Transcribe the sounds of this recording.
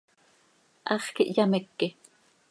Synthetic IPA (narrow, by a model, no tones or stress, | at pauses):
ʔɑχkiʔjamekːi